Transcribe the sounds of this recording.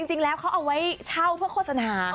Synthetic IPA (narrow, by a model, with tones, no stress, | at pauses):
i˧ŋt͡ɕi˧ŋlɛː˦˥wkʰa˦˥wʔa˧wa˦˥jt͡ɕʰa˥˩wpʰɯ˥˩əkʰoː˥˩sa˧naː˨˦˩